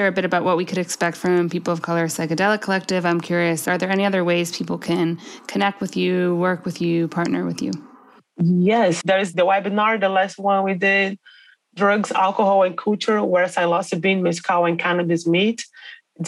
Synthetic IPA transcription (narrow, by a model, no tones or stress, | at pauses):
əɹɨbɪɾɨbaʊʔ̚wʌʔ̚wikʰɨɾɨkspɛk̚tfɹʌ̃mpipl̩ˠʌv̥kʰʌlˠə˞saɪkɨdɛlˠəkʰəlɛk̚tɪvãɪ̃mkʰj̥ʊɹiɨsə˞ðə˞ɛniʌðə˞weɪz̥pʰipl̩ˠkʰɨ̃nkʰɨnɛk̚t̚wɨðjʉwɜ˞kwɨðjɨpʰɑɹtⁿnə̰˞wɨ̰ðjʉ̰ | jɛsðə˞zðəwaɪbɨnɑɹðəlæst̚wʌ̃nwidɪd̚ | dɹʌɡzæ̰lˠkəhɔlˠɨ̃nkʰut͡ʃə˞wə˞saɪlɔsʌbĩnmɪskʰaʊɨ̃nkʰænɨbɨzmit